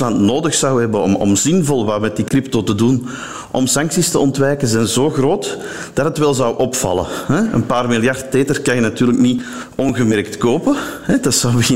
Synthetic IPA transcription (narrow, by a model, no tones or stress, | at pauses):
lɑntnoːdəxsɑwɦɛbəɔ̰mɔ̰mzɪnvɔlˠʋaːmɛt̚dikrɪp̚toːtədun | ʔɔmsɑŋksistəɔntʋɛːkənzɛnzoːɣroːt | d̥ɑtɦətʋɛlˠzɑwʔɔpfɑ̰lˠə̰hɛə̰npaːrmilˠjɑrtteːtərkanjənɑtyːrləkni | ɔnɣəmɛrk̚tkoːpəɦɛdɑtsɑwbəɣɪ